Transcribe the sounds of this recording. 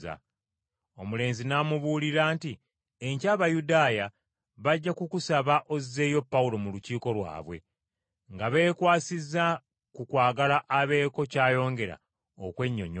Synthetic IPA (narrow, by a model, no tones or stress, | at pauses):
a̰ | o̞mule̞ːnzinamuβuliɾaːnti | eɲcaːβajudaːja | βaɟːakukusaβaʔo̞ze̞ːjo̞pːaulo̞muluciːko̞lwa̰ːβwe̞̰ | ŋɡaβe̞ːkwaːsizːa | kukwaːɡalaʔːβe̞ːko̞caːjo̞ːŋɡe̞ɾa̰ | o̰kwe̞ɲːo̞̰ɲo